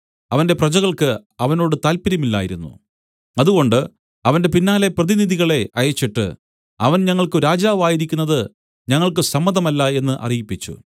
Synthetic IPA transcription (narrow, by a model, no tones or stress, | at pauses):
ɐʋɐnde̞prɐd͡ʑɐɣɐɭkɨɐʋɐno̞ːɽɨt̪aːlpiɾɐmilːa̰ːjiɾunːṵ | ɐðuɣo̞ɳɖɨ | ɐʋɐnde̞pinːaːle̞prɐðiniðʱiɣɐɭe̞ɐjɐt͡ɕːiʈːɨ̰ | ɐʋɐnɲɐŋːɐɭkɨɾaːd͡ʑaːʋaːjiɾikʲːunːɐðɨ | ɲɐŋːɐɭkɨsɐmːɐðɐmɐlːɐe̞nːɨʔɐ̰rijipːit͡ɕːṵ